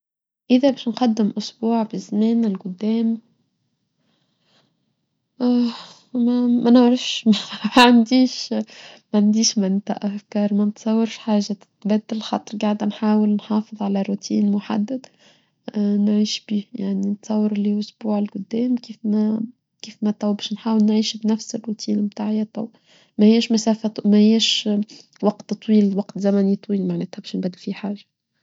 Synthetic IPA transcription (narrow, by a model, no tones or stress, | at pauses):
ʔɪðæbɛːʃnqɑd̪ːɪmʔʊsbuːʕbizmɛːnɪlqʊd̪ːɛːm | mæmænʕɾɑfʃmʕand̪iːʃmæʕand̪iːʃmænt̪a̰ʔæfkɑːɾˤmænt̪sˤɑwːɑɾʃħaːʒːat̪bæd̪ːɪlxɑt̪ˤɾˤɡaʕd̪nħaːwɪlnħɑːfɨðˤʕalæɾut̪ʰiːnmʊħa̰d̪ːad̪̥ | nʕiːʃbiːjaʕninət̪sˤɑwːɑɾliʔʊsbuːʕɪlkʊd̪ːɛːmkiːfmæ | kiːfmæt̪ˤɑwbɛʃnħaːwəlnʕiːʃbnæfsərːut̪ʰiːnmt̪aːʕijːat̪ˤɑw | mæhɪjːæʃmæsæːfæˤmæhɪjːæʃ | wɑqt̪t̪ˤːwiːlwɑqt̪zæmænit̪ˤwiːlmaʕnæːt̪hæbɛːʃnbæd̪ːɪlfiħaːʒḁ